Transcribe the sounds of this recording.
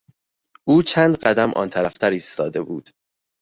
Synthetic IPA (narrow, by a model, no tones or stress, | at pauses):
ʔuːt͡ʃʰænd̪ɢæd̪æmʔɒ̰ːnt̪ʰæɾæft̪ʰæɾiːst̪ɒ̰ːd̪e̞buːd̪̥